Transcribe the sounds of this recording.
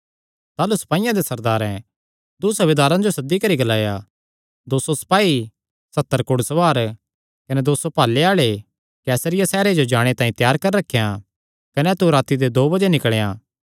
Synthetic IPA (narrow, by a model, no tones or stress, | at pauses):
t̪aːlusɐ̥paːɪjãd̪esɐɾd̪aːɾɛ̃ | d̪usɐʋɪd̪aːɾãd͡ʒosɐd̪ːikɐɾiɡɐlaːja | d̪oːsosɐ̥paːi | sɐt̪ːəɾkʊɽsɐʋaːɾ | kɐnɛd̪oːsopaːlːeaːɭe | kɛːsəɾɪjasɛːɾed͡ʒod͡ʒaːɽ̃et̪ãːĩt̪jaːɾkɐɾɾɐkʰːejã | kɐnɛt̪uɾaːt̪id̪ed̪oːbɐd͡ʒenɪkɭejãː